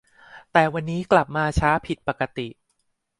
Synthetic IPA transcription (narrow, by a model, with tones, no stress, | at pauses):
t̪ɛː˨˩wa˧nːiː˦˥kla˨˩p̚maː˧t͡ɕʰaː˦˥pʰi˨˩t̪̚pa˨˩ka˧t̪i˨˩ʔ